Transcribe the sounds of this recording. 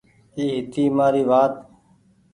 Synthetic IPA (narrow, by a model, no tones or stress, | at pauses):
iːɦɪt̪iːmaːɾiːʋaːt̪